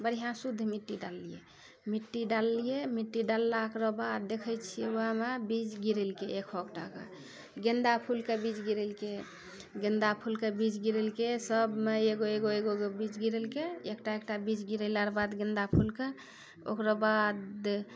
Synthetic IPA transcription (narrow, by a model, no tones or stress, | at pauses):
bəɾijɦãsud̪ʱmiʈːiɖalːijḛ | miʈːiɖalːijemiʈːiɖalːakɾɔbad̪̚ːekʰɛt͡ʃʰioɦamebid͡ʒɡiɾelkeekʰokʈa̰kḛ | ɡend̪apʰulkebid͡ʒɡiɾəlke | ɡẽnd̪apʰulkebid͡ʒɡiɾəlkesəbmeeɡoeɡoeɡoɡobit͡ʃɡiɾəlkeekʈaek̚ʈabid͡ʒɡiɾɛlaɾbad̪ɡẽnd̪apʰulke | o̰kɾɔbad̪